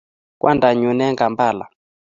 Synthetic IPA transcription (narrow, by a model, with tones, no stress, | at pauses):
kwʔa̰˦nda˨ɲu˨nɛ˦ŋɡa˨mba˦˨la̰˨